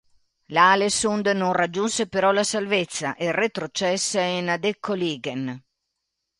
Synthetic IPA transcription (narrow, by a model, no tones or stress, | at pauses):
lalesund̪nɔnrad͡ʒːunsepeɾɔlasalvet̪sːaʔeret̪ɾot͡ʃɛsːeinad̪ekʰːoliːɡen